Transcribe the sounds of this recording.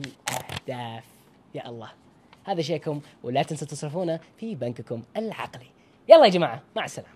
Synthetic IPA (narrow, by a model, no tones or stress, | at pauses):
lʔahd̪̥aːf | jaːʔɑlˤːɑː | haːðaʃ̬eːʔkʊmwɪlaːt̪ɪnsat̪ɑsˤɾɪfuːnafibankkʊmɪlʕɑ̰qli | jaʔɑlˤːɑːjd͡ʒamaːʕamaʕasːala̰ːm